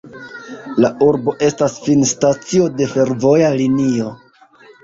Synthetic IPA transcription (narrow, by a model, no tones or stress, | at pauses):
laʔuɾbo̞ʔe̞stasfinstat͡sio̞de̞fe̞ɾvo̞jalinio̞